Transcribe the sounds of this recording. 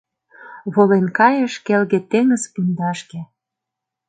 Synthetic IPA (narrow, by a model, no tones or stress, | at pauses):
βolenkɑjə̆ʃkelɣet̪eŋə̆zpund̪ɑʃkĕ